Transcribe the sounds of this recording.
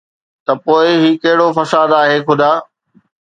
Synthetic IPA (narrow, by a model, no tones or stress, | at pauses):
t̪ɐpoːɪɦiːkɐɦɪɽofɐsaːd̪aːɦeːkʰʊd̪aː